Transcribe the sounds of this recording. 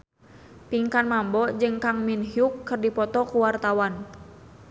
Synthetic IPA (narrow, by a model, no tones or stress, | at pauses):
piŋkanmambɔd͡ʒɨŋkaŋminɦiukːɨrdipɔt̪ɔkuwart̪awan